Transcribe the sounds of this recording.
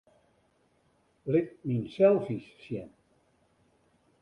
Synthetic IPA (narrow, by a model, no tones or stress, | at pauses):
lɪk̚minsɛlˠfissjɛ̰n